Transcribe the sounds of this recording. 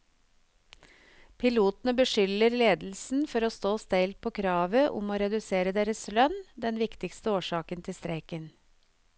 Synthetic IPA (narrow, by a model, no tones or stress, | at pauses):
pʰɪluːt̪n̩əbəʃʏləɾleːd̪l̩sn̩fɔɾoːst̪oːst̪ɛɪlt̪̚pʰoːkʰɾɑːʋəʔʊ̰moːɾɛd̪ʉseːɾəd̪eːɾəslœnd̪ɛnʋɪkt̪ɪkst̪əoːʃɑːkənt̪ʰɪst̪ɾeɪkən